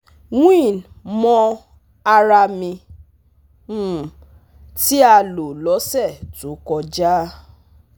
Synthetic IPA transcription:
wĩ˦˨n˨mɔ̃˧ | a˧ɾa˧mĩ˧˦˨ | ti˦a˧lo˨lɔ˨˦sɛ˦˨tu˨˦kɔ˧d͡ʒa˦

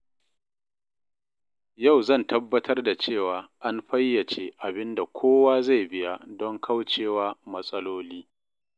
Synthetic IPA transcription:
ja˦˨wzɐ˦˨ntɐ˦bːɐ˦tʰɐ˦rda˨t͡ʃeː˦˨waː˨ʔa˦nɸɐ˦jːɐ˨t͡ʃeː˦ʔa˨bɪ˦nda˨kʷʰoː˦waː˦za˦˨jbɪ˦ja˦dɔ˦ŋkʰa˦wt͡ʃeː˦˨waː˦mɐ˦sʼɐ˦loː˦liː˦

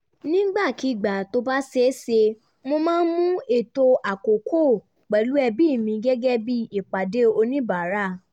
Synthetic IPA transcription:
nĩ˦ɡ͡ba˦˨ki˨˦˨ɡ͡ba˨to˧ba˦se˦se˧ | mo˧mãː˦n̩˦mũ˦e˨to˧ʔa˨ko˨kʰo˦˨ | k͡pɛ˨lu˨˦ɛ˧bi˦˨mĩ˧ɡɛ˦ɡɛ˦bi˦i˨k͡pa˨de˨˦o˧nĩ˦ba˨˦ɾa˦˨

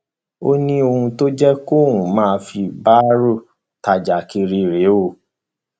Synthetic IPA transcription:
o˦nĩ˦o˧hũ˧to˦d͡ʒɛ˦ko˦˨ɦũ˨mãː˦˧fi˧ba˦ɾo˦˨ | ta˨d͡ʒa˨ki˧ɾi˧ɾe˨˦o˦˨

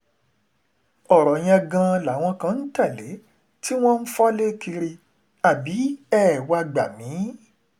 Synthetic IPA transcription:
ɔ˦˨ɾɔ˨j̃ã˧ɡã˧la˨˦w̃ɔ̃˧kã˧n̩˦ta˦˨le˨˦ | ti˦w̃ɔ̃˦n̩˦fɔ˦le˦ki˧ɾi˧ | a˦˨bi˨˦ɛ˦˨wa˧ɡ͡ba˨mĩ˨˦

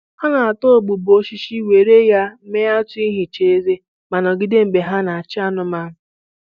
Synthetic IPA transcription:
ha˦na˨a˨to˦˨ɡ͡bu˨bo˦ʃi˦ʃi˦we˨ɾe˦ja˦me˦a˦tu˦i˦ɦɪ˨t͡ʃe˦e˦ze˦ | ma˨nɔ˨ɡɪ˦de˦m̩˨be˨ɦa˦na˨a˨t͡ʃɪ˦a˦nʊ˨ma˦ʊ˨

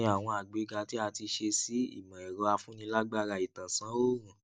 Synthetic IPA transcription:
a˨w̃ɔ̃˧a˨ɡ͡be˨˦ɡa˧ti˦a˧ti˧ʃe˧si˦ḭ˦˨mã˨ɛ˨ɾɔ˧˦a˧fũ˦nĩ˧˦la˦ɡ͡ba˦˧ɾa˧˨i˨tã˨sã˨˦o˦˨ũ˨

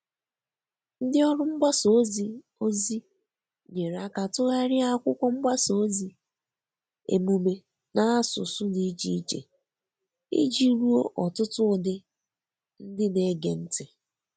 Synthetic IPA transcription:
n̩˦dɪ˦ɔ˦ɾʊ˦m̩˦ba˦so˨˦zi˦ | o˦zi˦ | ɲe˨ɾa˦ka˨tʊ˦ɣa˦ɾɪ˦a˦kʷʊ˦kʷʊ˦m̩˦ba˦so˨˦zi˦ | ḛ˨mu˨me˨ | na˦a˦sʊ̰˨sʊ˦ni˦t͡ʃi˦i˦t͡ʃḛ˨ | ḭ˦d͡ʒi˦ɾu˦o˦ʔɔ˨tʊ˦tʊ˦˨dɪ˦ | n̩˦dɪ˦ne˨˦ɡe˨n̩˦tɪ˨

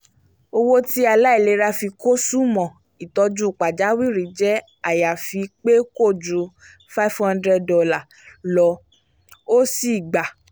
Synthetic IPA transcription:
o˧wo˦ti˦a˧la˦i˦˨le˧˦ɾa˧fi˧ko˦su˦mɔ̃˨ | i˨tɔ˧˦d͡ʒũ˦˨k͡pa˨d͡ʒa˨˦wi˦˨ɾi˨d͡ʒɛ˦ | a˨ja˨fi˧k͡pe˦ko˦˨d͡ʒũ˨˧˦ | fa˦fhã˦ndɾɛ˧ɔ˧la˦˨ | lɔ˧˦ | o˦si˨ɡ͡ba˨

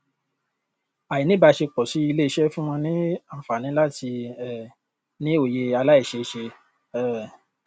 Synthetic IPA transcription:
a˨ji˨nĩ˦ba˧ʃe˧k͡pɔ˨ʃi˨˦i˧le˦i˧ʃɛ˦fũ˦w̃ɔ̃˧nĩ˦a˨fa˨nĩ˨˦la˦ti˧ɛ˨ | nĩ˦o˨je˧a˧la˦i˦˨ʃe˧ʃe˧ | ɛ˦˨

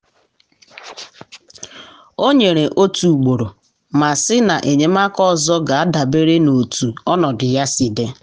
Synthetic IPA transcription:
o˦ɲe˨ɾe˨ʔo˦tu˨ɡ͡bo˨ɾo˨ | ma˨sɪ˦na˨ʔe˨ɲe˦ma˦kɔ˦zɔ˦ɡa˨a˦da˨be˦ɾe˦no˨tu˨ɔ˦nɔ˨dɪ˨ja˦si˨de˦

